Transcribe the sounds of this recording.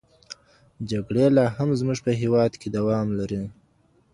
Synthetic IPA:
d͡ʒaɡɽelɑɦamzmuʐpəɦewɑd̪ked̪awɑmlaɾi

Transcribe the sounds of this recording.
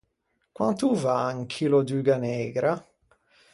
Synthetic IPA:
kwant̪uvaaŋkʰilod̪yɡanɛːɡɾa

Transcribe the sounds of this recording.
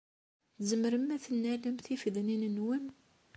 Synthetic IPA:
θzəməɾəmːæθnːælæmθifðninənwəm

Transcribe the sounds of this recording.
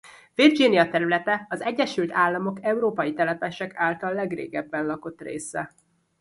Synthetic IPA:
vird͡ʒinijɒt̪ɛɾylɛt̪ɛɒzɛɟːɛʃylt̪aːlːɒmo̞kɛuɾoːpɒjit̪ɛlɛpɛʃɛkaːlt̪ɒlːɛɡrḛːɡɛbːɛnlɒko̞t̪ːrḛːsɛ

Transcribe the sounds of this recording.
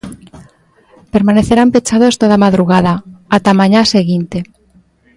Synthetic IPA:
peɾmaneθeɾampet͡ʃaðost̪oð̞amaðɾuɣ̞aðaat̪amãɲaseɣint̪e

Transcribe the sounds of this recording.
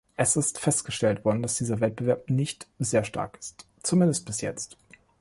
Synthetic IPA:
ʔɛsɪstfɛst̚ɡ̥əʃtɛltv̥ɔɐdn̩d̥asd̥iːzɐvɛt̚b̥əvɛɐp̚nɪçtz̥eːɐʃta̰ɐkɪ̥st | t͡sumɪndəst̚b̥ɪsjɛt͡st

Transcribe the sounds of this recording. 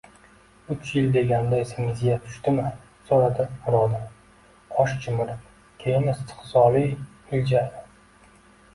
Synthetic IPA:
ʊt͡ʃjɪld̪e̞ɡʲand̪aesɪmɪzjat̪ʰʊ̥ʃt̪ɪmɪ | soɾad̪ɪɾɒd̪a | ɒʃt͡ʃʰɪmɪɾɪp | kʲʰejɪmɪst̪ʰɨ̥qsɒɾi | ɪld͡ʒa

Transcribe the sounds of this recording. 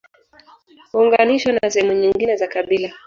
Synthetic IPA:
huːŋɡaniʃwanasɛhɛmuɲiŋɡinɛzakaɓila

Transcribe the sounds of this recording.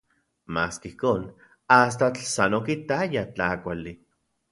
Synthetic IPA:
maːskeihkoːn | as̬t̪at͡ɬsanokit̪ajat͡ɬakʷali

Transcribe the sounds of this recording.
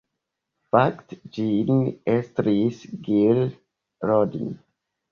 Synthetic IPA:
faktd͡ʒinɛst̪ɾisɡil | ɾɔdḭn

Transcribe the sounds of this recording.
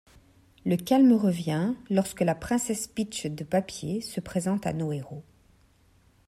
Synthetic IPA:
ləkʲalmʁəvjɛ̃lɔʁskəlapχɛ̃sɛspit͡ʃd̪əpapjesəpχezɑ̃t̪a̰noeʁo

